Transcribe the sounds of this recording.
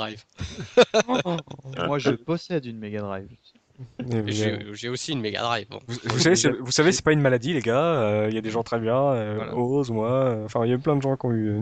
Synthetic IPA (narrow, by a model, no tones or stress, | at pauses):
ajv | emwaʒəpɔsɛd̪ynmeɡad̪ʁajv | ewʒʒɛosiːnmeɡa̰d̪ʁajvbɔ̰̃vuvusavesɛvusavesɛ̥paynmalad̪ileɡaøiljad̪eʒɑ̃t̪χɛbjɛ̃øozmwaøɑ̃fɛ̃iljayplɛ̃d̪əʒɑ̃kʲiɔ̃yø